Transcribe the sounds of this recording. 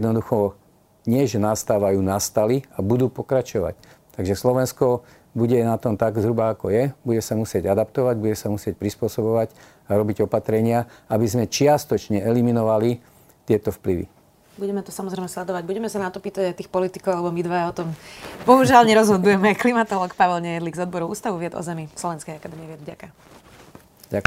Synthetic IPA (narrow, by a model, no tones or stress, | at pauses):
d̪nɔd̪uxɔ | ɲɪɛʒɛnast̪aːʋajuːnast̪aliabud̪uːpɔkɾat͡ʃɔʋa̰c | t̪aɡʒɛslɔʋɛnskɔ | buɟɛnat̪ɔmt̪aɡzɦɾubaːkɔjɛbuɟɛsamusɪɛɟad̪apt̪ɔʋaɟbuɟɛsamusɪɛc̚pɾispʊɔsɔbɔʋac | aɾɔbiɟɔpat̪ɾɛɲɪaabizmɛt͡ʃɪast̪ɔt͡ʃɲɛɛliminɔʋali | t̪ɪɛt̪ɔfpliʋḭ | buɟɛmɛt̪ɔsamɔzɾɛɪmɛslɛd̪ɔʋaɟbuɟɛmɛsanat̪ɔpiːt̪aɟajt̪iːxpɔlit̪ikɔʊalɛbɔmid̪ʋaaɔt̪ɔmbɔɦuʒɪalɲɛɾɔzɦɔd̪ujɛmɛajklimat̪ɔlɔkpaʋɛlɲɛjɛd̪liɡzɔd̪bɔɾɔṵːst̪aʋuʋɪɛd̪ɔ̰zɛmislˠɔʋɛnskɛjakad̪ɛːmiɛʋɪɛd̪vɟaka | ɟa